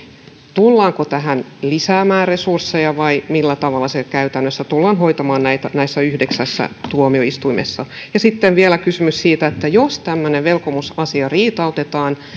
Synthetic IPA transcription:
t̪ulːɑːŋkot̪æɦænlisæːmæːresursːejɑʋɑimilːæt̪ɑʋɑlːɑsekæyt̪ænːøsːæt̪ulːɑːnɦoit̪ɑmɑːnnæit̪ænæisːæyhdeksæsːæ̰t̪uomioist̪uimḛsːɑjɑsit̪ːeʋʋielækysymyssiːt̪æet̪ːæjost̪æmːøneʋʋelkomusɑsiɑriːt̪ɑut̪et̪ɑːn

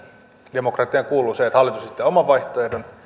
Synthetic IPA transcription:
d̥emokrɑt̪ːˑiɑŋkuːlːˑuːseet̪hɑlːit̪usit̪ːeomɑʋʋɑiht̪oehdon

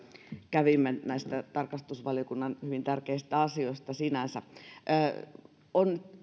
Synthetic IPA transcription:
kæʋimːenæist̪æt̪ɑrkɑst̪usʋɑljokunːɑnhyʋint̪ærkeist̪æɑsioist̪ɑsinænsæʔː | onnyt̪

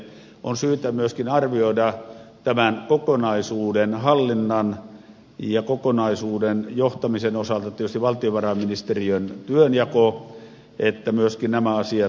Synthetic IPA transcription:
onsyːt̪æmyøskinɑrʋioidɑt̪æmænkokonɑisuːdenhɑlːinːɑn | jɑkokonɑisuːdenjoht̪ɑmisenosɑlt̪ɑt̪ietyst̪iʋɑlt̪ioʋɑrɑminist̪eriønt̪yønjɑko | et̪ːæmyøskinnæmæɑsiɑ

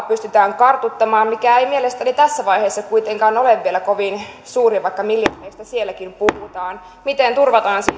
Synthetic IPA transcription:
pyst̪yt̪æːŋkɑrt̪ut̪ːɑmɑːmmikæeimielest̪ænit̪æsːæʋɑjheːsːɑkuit̪eŋkɑːnoleʋʋːielækoʋinsuːriɑʋɑikːɑmiljɑrːeist̪æsielːækimpuhut̪ɑːn | mit̪ent̪urʋɑt̪ɑːnsi

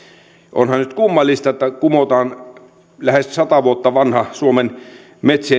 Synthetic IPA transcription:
ʔo̰nhɑnnyt̪kumːɑlːist̪ɑet̪ːækumot̪ɑːn | læhessɑt̪ɑʋuot̪ːɑʋɑnhɑsuomen | met̪seː

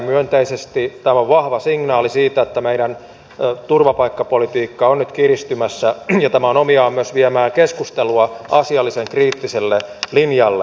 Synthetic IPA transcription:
myønt̪eisest̪it̪æmoʋʋɑhʋɑsiŋnɑːlisiːt̪æet̪ːæmeiɾæn | t̪urʋɑpɑikːɑpolit̪iːkːɑonnyt̪kirist̪ymæsːæjɑt̪æmæonomiɑːmyøsʋiemæːŋkeskust̪eluɑʔɑsiɑlːiseŋkriːt̪ːiselːelinjɑlːḛ

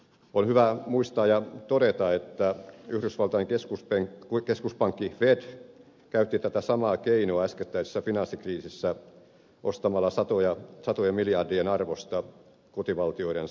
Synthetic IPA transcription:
onhyʋæmuist̪ɑːjɑt̪oɾet̪ɑet̪ːæyhɾysʋɑlt̪ɑjŋkeskuspeŋkeskuspɑŋkːiʋed̥ | kæyt̪ːit̪æt̪æsɑmɑːkeinoɑæsket̪ːæise̥sːæfinɑnsːikriːsisːæ | ʔost̪ɑmɑlːɑsɑt̪ojɑsɑt̪ojemiljɑrdienɑrʋost̪ɑ | kot̪iʋɑlt̪ioiɾen

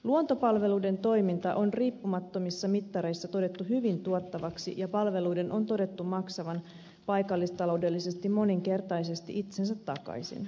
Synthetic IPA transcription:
luont̪o̞pɑlʋe̞luide̞nt̪o̞jmint̪ɑʔo̞nriːpːumɑt̪ːo̞misːɑmit̪ːɑɾe̞jsːɑt̪o̞de̞t̪ːuɦyʋint̪uot̪ːɑʋɑksḭjɑpɑlʋe̞lujde̞nʔo̞nt̪o̞de̞t̪ːumɑksɑʋɑn | pɑjkɑlːist̪ɑlo̞wde̞lːisest̪immo̞niŋke̞rt̪ɑjse̞st̪ḭʔit̪sens̬æt̪ːɑkɑ̰jsḭn

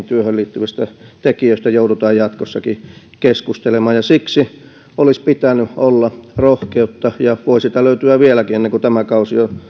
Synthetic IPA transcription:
nt̪yøhølliːt̪ːyʋist̪æt̪ekiøist̪æjoudut̪ɑːjjɑt̪kosːɑki | keskust̪elemɑːjɑsiksi | olispit̪ænyʔolːɑrohkeut̪ːɑjɑʋoˑisit̪æløyt̪yæʋielækienːeŋkut̪æmækɑusio

